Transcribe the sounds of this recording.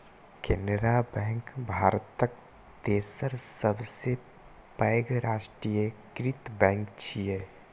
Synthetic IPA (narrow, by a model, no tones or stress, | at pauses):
kenɖɾabɛ̃ŋkbʱaːɾt̪ək | t̪eːsəɾsəbse | pəɡɾaːʃʈɾijəkɾit̪bɛ̃ːŋkt͡ʃʰie